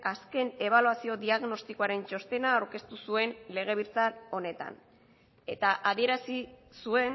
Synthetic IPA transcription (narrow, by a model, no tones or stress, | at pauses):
aske̞ne̞β̞aluasio̞ðiaɣno̞st̪ikoaɾe̞nt͡ʃo̞st̪e̞naːwɾke̞st̪usue̞nle̞ɣ̞e̞βiɾt͡sano̞ne̞t̪a̰n | e̞t̪aʔaðie̞ɾasisue̞n